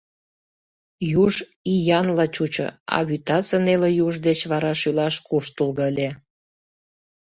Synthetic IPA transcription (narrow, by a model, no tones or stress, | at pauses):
juʒ | ijɑnlɑt͡ɕut͡ɕə̰ɑ̰βyt̪ɑt͡sənelejuʒd̪et͡ɕβɑɾɑʃylɑʃkuʃt̪ulɣəəlʲe